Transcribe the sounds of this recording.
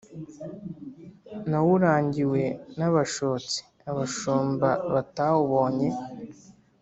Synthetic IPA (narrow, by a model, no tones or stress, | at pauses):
nawuɾaːɲɟiwe̞naβaʃoːt͡si̥ | aβaʃoːmbaβatawuβo̞ːɲe̞